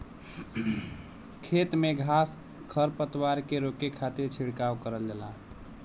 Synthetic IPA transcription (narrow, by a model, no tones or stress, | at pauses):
kʰet̪meɡʱas | kʰəɾpət̪waɾkeɾokekʰat̪iɾt͡ʃʰiɽkawkəɾəld͡ʒəla